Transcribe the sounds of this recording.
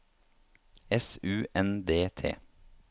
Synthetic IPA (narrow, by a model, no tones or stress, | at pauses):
ɛsʉːʔɛnd̪eːt̪ʰḛː